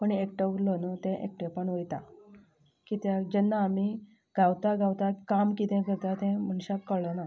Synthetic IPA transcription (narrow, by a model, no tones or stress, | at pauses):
pəɳek̚ʈəuɾlɔnət̪ɛ̃ʔḛk̚ʈɛ̃pəɳʋəjt̪a | kit̪jad͡ʑɛnːaːmi | ɡʱawt̪aɡʱawt̪akamkit̪ɛ̃kəɾt̪at̪ɛ̃m̤əɳɕakkəɾləna